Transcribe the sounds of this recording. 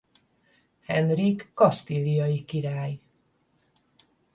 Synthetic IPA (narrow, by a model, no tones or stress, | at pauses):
hɛnrikːɒst̪ilijɒjikiɾaːj